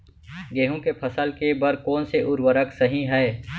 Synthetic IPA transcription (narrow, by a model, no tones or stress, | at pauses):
ɡeːɦõkepʰɐsəlkebɐɾkɔːnseʔʊɾwəɾəksɐɦĩɦɛː